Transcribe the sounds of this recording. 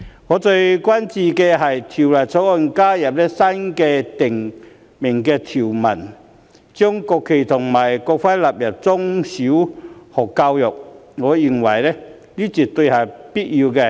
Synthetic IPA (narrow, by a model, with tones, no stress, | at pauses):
ŋɔ˨˦t͡se˧jkwa˦nt͡ɕi˧ke˧ɦa˨˩jt̪ʰi˨˩wla˨˩jt͡sʰɔ˧˥ɔ˧nkaː˦ja˨˩p̚le˦sa˦nke˧t̪i˨˩ŋ | mi˨˩ŋke˧t̪ʰi˨˩wma˨˩n | t͡ɕjʊ˦˥ŋkɔ˧kʰːi˨˩t̪ʰʊ˨˩ŋma˨˩jkɔ˧k̚fa˦la˨p̚ja˨˩p̚t͡sʊ˦ŋɕu˨˦hɔ˨˩ka˧wjɔ˨˩k̚ŋɔ˨˦i˧ŋwa˨˩jle˦ | li˦t͡ɕi˨˩t̚t̪we˧ha˨˩jpi˥t̚i˧ke˧